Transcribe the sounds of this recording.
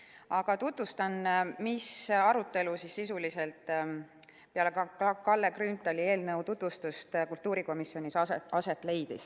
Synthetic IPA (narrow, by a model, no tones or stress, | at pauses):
ɑɡ̥ɑt̪ut̪vust̪ɑnmisɑɾut̪ːˑe̞lusisːisulise̞lt̪ˑ | pe̞ɑlekɑɑlːekrynt̪ːˑolʲie̞ːlnəwt̪ut̪vust̪ust̪kult̪ːˑuːɾiko̞misːio̞nʲisɑse̞t̪ːˑle̞jd̪̥is